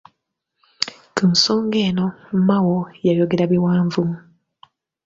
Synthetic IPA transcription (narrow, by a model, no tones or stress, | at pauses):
kunsoːŋɡeːno̞mmawojajoɡeɾaβiwaːɱvumu